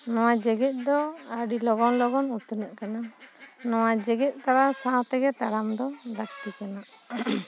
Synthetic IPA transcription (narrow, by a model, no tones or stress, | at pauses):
nɔ̃wad͡ʒɛɡɛt̪̚ˀd̪ɔaɖilɔɡɔnlɔɡɔnut̪nəʔkananɔwad͡ʒɛɡɛt̪̚ˀt̪aɾasãt̪ɛɡɛt̪aɽamd̪ɔd̪ak̚tikana